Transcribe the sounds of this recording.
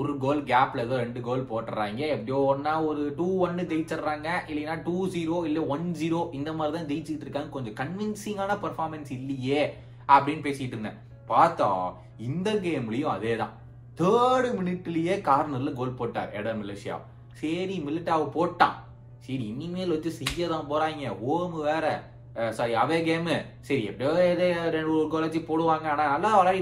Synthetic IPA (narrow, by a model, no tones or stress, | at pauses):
ɔɾɯɡoːlɡaːplɐðɯɾɛɳɖɯɡoːlpoːʈːɾa̰ːŋɡɐɛpːɐɽɪjoːɔɾnːaːɔɾɯʈuːʋɐnːɯd̪ɛjt͡ʃːɐɾɾãːŋɡɐʔɪlːɐnːaːʈuːsiːɾoːɪlːɛʋɐnziːɾoːʔɪnd̪ɐmaːd̪ɾɪt̪ãːd̪ɛjt͡ʃːɪkːɪʈːɪɾɯkːaːŋɯkɔɲd͡ʒɔ̃kɐɳʋɪnsɪŋɡaːnɐpɐɾfaːɾmɛnsɪlːɐjeː | ɐpːɐɽɪnpeːsɪjɪʈːɾɯnːɐ̰ | paːɾt̪ã̰ː | ɪnd̪ɐɡeːmɪlɐjʊ̃ɐðeːt̪ã̰ː | t̪əːɽɯmɪnɪʈːɪlɐjeːkaːɾnɐɾɪlɐɡoːlpoːʈːa̰ːɾɛ̰ɽɐɾmɪleʂɪja̰ː | sɐɾimɪlːɪʈːaːʋɐpoːʈːã̰ː | sɐɾiɪnːɪmeːlʋɐɲt͡ʃɯsɛjːɐðãːpoːɾaːɪŋɡɐoːmɯʋeːɾɛ | saːɾiɐʋeːɡeːmɯ | sɐɾiɛ̰pːɐɽjoːɛðeːɾɛɳɖɯkoːled͡ʒipoːɽɯʋaːŋɡɐaːnaːnɐlːaːʋɐɾaːi